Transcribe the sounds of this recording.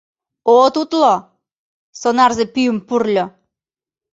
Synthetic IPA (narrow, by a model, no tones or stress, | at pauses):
ot̪ut̪lo | sonɑrzepyəmpurlʲɤ̆